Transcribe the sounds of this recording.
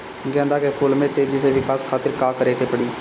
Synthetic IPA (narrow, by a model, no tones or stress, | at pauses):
ɡɛ̃ːnd̪aːkepʰʊlmẽːt̪eːd͡ʒiːseːʋɪkaːskʰaːt̪ɪɾkaːkəɾeːk̪eːpəɽiː